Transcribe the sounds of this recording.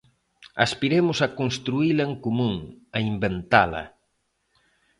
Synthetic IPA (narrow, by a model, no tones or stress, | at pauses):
aspiɾemʊsɐkonst̪ɾuilɐeŋkomũŋaimbent̪alɐ̰